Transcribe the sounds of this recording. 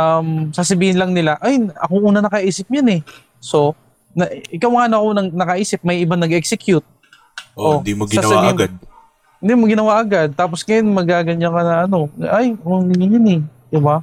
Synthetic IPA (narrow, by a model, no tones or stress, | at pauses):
ʔamsasɐbiːhɪnlɐŋnɪlaʔajɐ̰koʔuːnɐnɐkɐʔiːsɪp̚ɲanɛ | so̞ | nɐʔʔɪkawŋaːnɐkonɐŋnɐkɐʔiːsɪp̚mɐjʔɪbanɐɡɛksɛkjʊt̪̚ | ʔʔod̪imoɡɪaɐbaiːɡad̪̚ | ɪnd̪imoɡɪnɐwaʔɐɡad̪̚t̪aːp̬osŋɐjonmɐɡaːɡɐɲakɐnɐʔɐno̞ʔajkoŋɪɲɪɲanɛd̪ɪba